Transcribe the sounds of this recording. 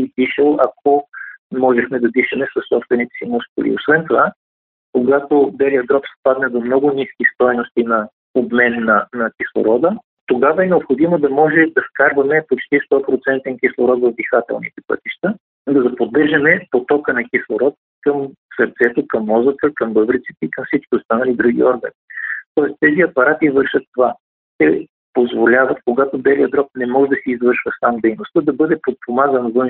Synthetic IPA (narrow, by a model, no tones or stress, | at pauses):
id̪iʃɛlˠɐkomɔʒɛxmɛd̪ɐd̪iʃɛmɛsɐsːɔpst̪vɛnit̪ɛ̥simuskʊ̰lḭosvɛnt̪ova | koɡat̪ob̪ɛɾiɐd̪ɾɔpspad̪nəd̪omnɔɡʊniskʲist̪ɔjnost̪inɐ | obmɛnːɐnɐkʲislˠo̰ɾɔd̪ə | t̪oɡavɐɛnɛopxod̪imod̪ɐmɔʒɛd̪ɐskaɾvɐmɛpot͡ʃt̪ist̪ɔpɾot̪sɛnt̪ɛnk̟ʲislˠoɾɔt̪vɐvd̪ixat̪ɛ̰lˠnḭt̪ɛ̥pɤ̰t̪iʃt̪ə | d̪ɐd̪ɐpod̪ːɤɾʒɐmɛpot̪ɔkənɐkʲislˠoɾɔt̪̚ | kɐmsəɾt̪sɛt̪okɐmːɔzət̪əkɐmbɤbɾit̪si̥t̪ɛikɐmfsit͡ʃkʲiost̪anɐlid̪ɾuɡ̟ḭɔɾɡə̰nit̪ɔɛst̪ɛziɐpɐɾat̪ivɤɾʃət̪ːova | t̪ɛ | pozvolʲavɐt̪̚koɡat̪ob̪ɛlijəd̪ɾɔk̚nɛmɔʒɛd̪ɐsiːzvɤɾʃvəsamd̪ɛjnost̪əd̪ɐbɤd̪ɛpot̪̚pomazənvɤn